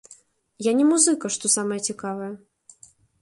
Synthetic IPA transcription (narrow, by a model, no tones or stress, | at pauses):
janʲɛmuzɨkɐʂt̪ɔsamɐjɛt͡sʲikavɐjɐ